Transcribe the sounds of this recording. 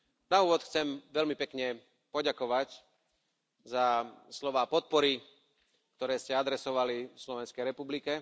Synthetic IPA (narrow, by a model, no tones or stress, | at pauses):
nauːʋɔt̪xt͡sɛmʋɛʎmipɛkɲɛ | pɔɟakɔʋac | zaslɔʋaːpɔt̪̚pɔɾi | k̚t̪ɔɾɛːscɛad̪ɾɛsɔʋalifslɔʋɛnskɛjɾɛpublikɛ